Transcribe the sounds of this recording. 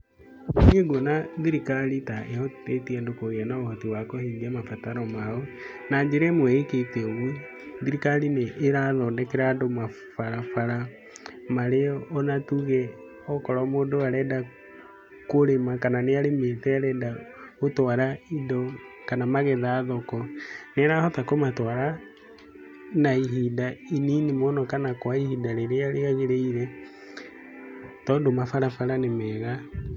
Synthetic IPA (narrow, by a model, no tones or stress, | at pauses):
keɡwonaðiɾikalitaʔehɔtetiɛndokoɣɛnaohɔtiwakɔhiːɲɛmafataɾɔmaɔ | naɲd͡ʒeɾɛmwɛeketeɣwi | ðiɾikalineʔːɾaðɔndɛkeɾaːndoma | faɾafaɾa | maɾeɔːnatuɣɛ | ɔkɔɾamoːdoaɾɛːda | koɾemakananeaɾemeθɛaɾɛdaotwaɾaidɔkanamaɣɛðaːðɔkɔneɾahɔtakomatwaɾa | naiɦidaininimonɔkanakwaihidaɾeɾeaɾeɣaɣeɾeiɾɛ | tɔndomafaɾafaɾanemɛːɣa